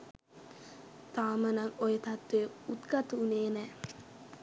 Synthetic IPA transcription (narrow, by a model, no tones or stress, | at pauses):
t̪aːmənɐŋojet̪ɐt̪ːʋeut̪ɡat̪uuneːnɛː